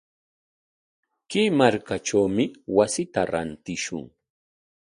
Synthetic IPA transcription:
kɪmaɾkaʈ͡ʂawmɪwasɪt̪aɾa̰nt̪ɪʃʊ̰ŋ

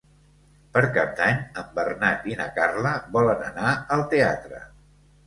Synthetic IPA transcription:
pəɾkap̚d̪aɲəmbərnat̪inəkarləβɔlənənaəlˠt̪ea̰t̪ɾə̰

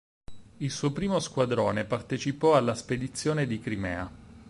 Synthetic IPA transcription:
ilsuːopɾiːmoskwad̪ɾoːnepart̪et͡ʃipɔalːasped̪it̪sːjoːned̪ikɾimɛ̰ːa

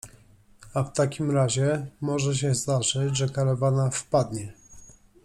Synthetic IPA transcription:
aft̪akʲimɾaʑɛmɔʐɛɕ̬ɛznat͡ʂɘd͡ʑʐɛkaɾavanafpad̪ɲɛ

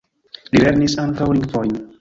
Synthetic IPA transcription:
lile̞ɾnisaŋkawliŋkfojn

